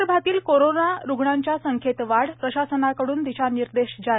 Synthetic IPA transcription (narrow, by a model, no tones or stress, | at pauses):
bʱat̪iːlkoɾonaɾuɡɳaɲt͡ɕjasəŋkʰet̪ʋaɽpɾəɕasənakəɽuːnt̪it͡ɕʰaniɾd̪eɕd͡za